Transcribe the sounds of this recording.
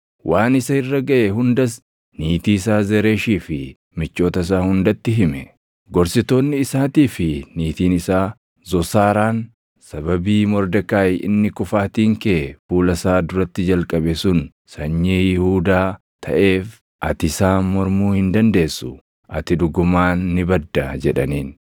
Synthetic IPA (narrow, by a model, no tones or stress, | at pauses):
wʔaːnɪsɐɪrːɐɡɐʔɛɦʊnd̪ɐs | niːt̪iːɪsaːzɛɾeːʃiːfɪ | mɪt͡ʃːo̞ːt̪ɐɪs̬aːhʊnd̪ɐt̪ːɪɦɪmɛ | ɡɔɾsɪt̪o̞ːnːɪːsaːt̪iːfɪniːt̪iːnɪsaː | zɔsaːɾaːn | sɐbɐbiːmɔɾd̪ɐkaːjɪ̰nːɪkʊfaːt̪iːŋkeːfuːlɐsaːd̪ʊɾɐt̪ːɪd͡ʒɐlkʼɐbɛsʊn | sɐɲːeːjɪhuːd̪aː | t̪ʰɐ̰ʔe̞ːf | ʔɐt̪ɪsaːmɔɾmuːhɪnd̪ɐnd̪e̞ːsːʊ | ʔɐt̪ɪd̪ʊɡʊmaːnːɪbɐd̪ːɐd͡ʒɛᶑɐniːn